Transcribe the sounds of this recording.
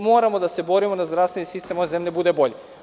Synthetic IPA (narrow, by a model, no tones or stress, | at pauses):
mo̞ːɾamo̞d̪ase̞bo̞ɾimod̪azd̪ɾast̪ʋenisist̪e̞moezemʎʲebud̪eboʎe